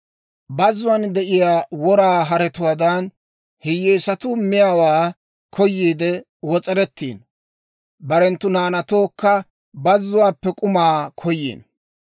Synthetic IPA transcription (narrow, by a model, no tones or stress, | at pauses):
bɐzʊwɐnd̪ɛʔɪjaːwɔɾaːɦɐɾɛt̪ʊwaːd̪ɐn | hɪjeːsɐt̪ʊmɪjawaː | kʰɔjːiːd̪ɛ | wɔt͡sʼɛɾɛt̪ːḭːn | bɐɾɛnt̪ːʊnaːnɐt̪o̞ːkːɐ | bɐzːʊwaːpːɛkʼʊmaːkʰɔjːḭːn